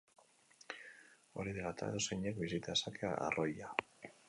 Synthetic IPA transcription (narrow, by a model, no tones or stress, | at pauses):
o̞̰ɾiðeɣat̪ʰa̰eðo̞seɲekbisit̪aðesakʰea̰a̰roja